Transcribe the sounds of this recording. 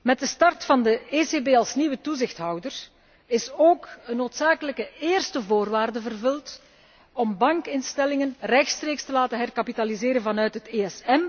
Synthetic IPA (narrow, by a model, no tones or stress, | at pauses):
mɛt̚dəstɑrtfɑndəeːseːbeːɑlˠsniwətuzɪxtɦʌwdər | ɪsoːkənːoːtsaːkələkəeːrstəvoːrʋaːrdəvərvɵlt | ɔmbɑŋkɪnstɛlɪŋənrɛxtstreːkstəlaːtəɦɛrkapitalizeːɾənvɑnœɥtɦəteːɛsɛm